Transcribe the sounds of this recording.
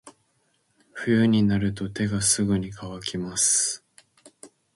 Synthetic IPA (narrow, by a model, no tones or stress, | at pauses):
ɸɯ̟jɯɲ̟inaɾɯ̟t̪o̞t̪e̞ɡasɨɡɯ̟ɲ̟ikʰaβakʲimasɨ̥